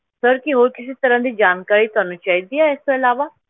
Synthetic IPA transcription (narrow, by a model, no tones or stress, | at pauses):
səɾkiɦoːɾkɪsit̪əɾãːd̪iːd͡ʒaːnkaːɾiːt̪ʊɦaːnũt͡ʃaːid̪iːaːɪst̪oɪlaːʋaː